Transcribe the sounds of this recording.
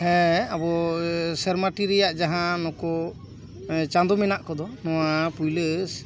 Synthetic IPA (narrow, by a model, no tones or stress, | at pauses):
hɛabɔsɛɾmaʈiɾɛjaʔd͡ʒaɦãnɔkɔ | t͡ʃãnd̪ɔmɛnaʔkɔd̪ɔnɔwapujləs